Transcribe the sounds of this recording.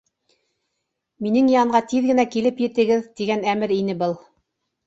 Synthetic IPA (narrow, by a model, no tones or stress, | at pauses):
minɘŋjɑɴɢɑt̪iðɡɘ̆nækilɘpjɘ̆t̪ɘ̆ɡɘðt̪iɡænæmɘɾinɘbɤlˠ